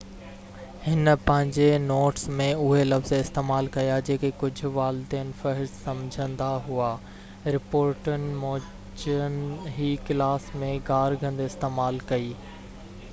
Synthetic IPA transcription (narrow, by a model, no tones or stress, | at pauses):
hɪnpɐ̃ɦɪ̃ɲd͡ʑenoːʈsmẽʊɦelɐfzɪst̪eːmaːlkɐjad͡ʑeːkekʊd͡ʑʱʊ̆ʋaːld̪iənɪ̆fɐɦɪɾsɐ̃md͡ʑʱə̃nd̪aɦuaː | ɾɪpoːɾʈənɪ̆moː | t͡ɕənɦiːkɪlaːsmẽɡaːɾɡɐ̃nd̪ɪst̪eːmaːlkɐiː